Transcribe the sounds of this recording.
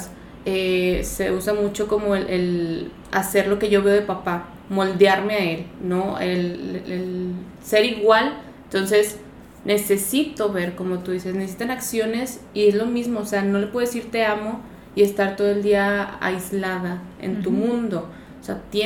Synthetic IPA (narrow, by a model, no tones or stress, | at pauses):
s | ese̞usamut͡ʃo̞ko̞moelʔel | a̰se̞ɾlo̞ke̞ʝo̞βe̞oðepapa | mo̞ld̪jaɾme̞ae̞lnoelel | se̞ɾiɣwal | nt̪o̞nse̞s | ne̞se̞sit̪o̞βe̞ɾko̞mo̞t̪uðise̞snesesit̪anaksjo̞ne̞sie̞zlo̞mizmo̞ːse̞ano̞lepweesiɾt̪e̞amo̞ | ie̞st̪aɾt̪o̞ðoeld̪iaa̰izlaðaḛnt̪umũnd̪o̞ | seat̪je